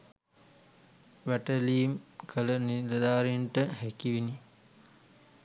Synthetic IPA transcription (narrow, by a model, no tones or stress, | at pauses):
ʋæʈəliːmkʰələniɾɐd̪aːɾiɳʈəhækiʋini